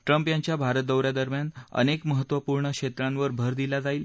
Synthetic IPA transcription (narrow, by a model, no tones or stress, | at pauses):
ʈɾəmpjaɲt͡ɕjabʱaɾət̪̚d̪əwɾjad̪əɾmjanə̰nekməɦət̪ːʋəpuɾɳəkɕet̪ɾãnʋəɾbʱəɾd̪ilad͡zaiːl